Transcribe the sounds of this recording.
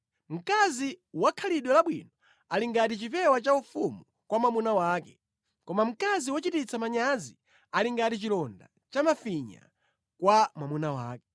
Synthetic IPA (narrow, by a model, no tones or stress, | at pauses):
m̩kaziwakʰaliɗwɔlaɓwḭnɔ | aliŋɡatit͡ʃipɛwat͡ʃaufumu | kwamwamunawaːkɛ | kɔmam̩kaziwɔt͡ʃitit͡sʰamaɲazi | aliŋɡatit͡ʃilɔnda̰ | t͡ʃamafiɲa̰ | kwamwamunawa̰ːkɛ